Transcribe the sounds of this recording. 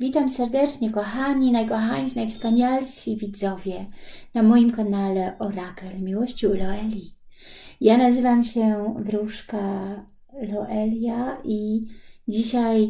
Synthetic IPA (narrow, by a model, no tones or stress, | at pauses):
vʲit̪amsɛɾd̪ɛt͡ʂɲɛkɔxaɲinajkɔxaɲʃinajfspaɲalɕivʲid̪zɔvʲjɛnamɔjimkanalɛʔɔɾakɛlmʲiwɔɕt͡ɕilɔɛlʲi | janazɘvamɕɛvɾuʂka | lɔʔɛlʲjaʔid͡ʑiɕaj